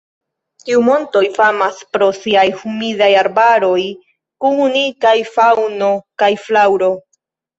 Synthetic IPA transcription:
tiumo̞nto̞jfamaspɾo̞siajhumidajaɾbaɾo̞j | kuunikajfawno̞kajflawɾo̞

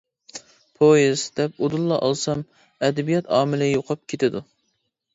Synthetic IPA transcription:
pʰojizd̪̥ɛp̚od̪ulˠːɑʔɑlˠsɑm | ɛd̪ɛbijɑt̪ʰɑːmɪlɪjoqʰɑp̚kʲʰet̪ɪd̪u

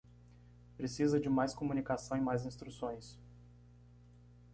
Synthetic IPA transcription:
pɾesizɐd͡ʒɪmajskomunikasɐ̃w̃ẽmajzĩst̪ɾusõj̃s

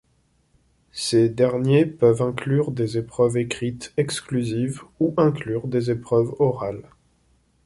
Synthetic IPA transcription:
sed̪ɛʁnjepœvɛ̃klyʁd̪ezepχœvekχit̪ɛksklyzivuʔɛ̃klyʁd̪ezepχœvɔʁal

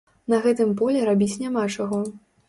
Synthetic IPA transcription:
nɐɣɛt̪ɨmpɔlʲɛɾabʲit͡sʲnʲamat͡ʂaɣɔ

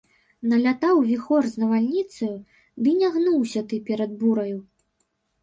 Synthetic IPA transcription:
nɐlʲat̪awvʲixɔrznɐvalʲnʲit̪sɐju | d̪ɨnʲaɣnuwsʲɐt̪ɨpʲɛɾɐd̪̚buɾɐju

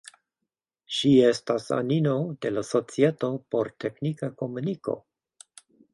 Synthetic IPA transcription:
ʃie̞stasa̰nino̞de̞laso̞t͡sieto̞po̞ɾtʰeknikako̞muniko̞̰

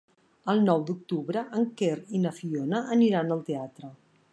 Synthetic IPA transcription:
əlˠnɔwd̪uk̚t̪uβɾəʔəŋkerinəfionəʔəniɾanəlˠt̪eat̪ɾə

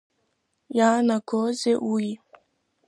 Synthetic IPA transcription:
janakɔzeʔuji

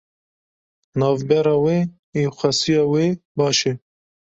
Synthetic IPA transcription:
nɑːvbɛɾɑːweː | exʷɛsijɑːweːbɑːʃɛ

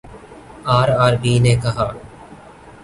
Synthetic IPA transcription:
aːɾaːɾɡiːneːkəɦaː

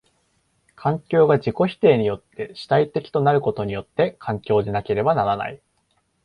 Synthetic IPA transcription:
kʰãŋkʲo̞ːɡad͡ʑiko̞çi̥t̪e̞ːɲ̟ijo̞t̪ːe̞ɕi̥t̪ait̪e̞kʲi̥t̪onaɾɯ̟ko̞t̪o̞ɲ̟ijo̞t̪ːe̞kʰãŋkʲo̞ːd̪e̞nake̞ɾe̞banaɾana̰i

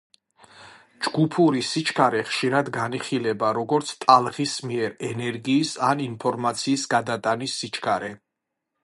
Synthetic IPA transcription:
d͡ʒɡupʰuɾisit͡ʃʰkʰaɾɛχʃiɾad̪ɡaniχilɛbaɾɔɡɔɾt̪sʰt̪ʼalˠʁismiɛɾɛnɛɾɡiːsaninpʰɔɾmat̪sʰiːsɡad̪at̪ʼanisːit͡ʃʰkʰaɾɛ

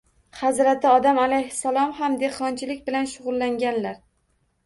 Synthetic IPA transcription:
hazɾat̪ʰɪɒd̪amalajhɪ̥salˠɒmhamd̪eqʰɒnt͡ʃʰɪlɪkʲbɪlanʃʊʁʊlːaŋɡʲanlaɾ

